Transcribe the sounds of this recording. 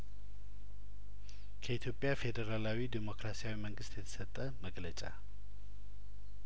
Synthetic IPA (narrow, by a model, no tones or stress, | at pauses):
kʰəit̪ʰjo̞pʼjafe̞d̪əɾalawid̪imo̞kɾasijawiməŋɡɨst̪jɛt̪ʰə̥sət̪ʼːəməɡlət͡ʃʼa̰